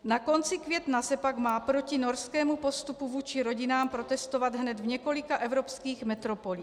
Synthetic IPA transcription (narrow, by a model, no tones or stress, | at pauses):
nako̞nt͡sɪkvjɛt̪nasɛpaɡmaːpɾocinoɾskɛːmupo̞st̪upuvuːt͡ʃiɾo̞ɟinaːmpɾo̞t̪ɛst̪ovad̪ɦnɛd̪vɲɛko̞likaʔɛvɾopskiːɣmɛt̪ɾopoliː